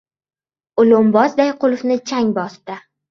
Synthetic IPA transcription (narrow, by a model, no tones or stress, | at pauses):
ʊlʊmbɒsd̪ajqʰʊlˠʊfnɪt͡ʃʰaŋʲbɒst̪ɪ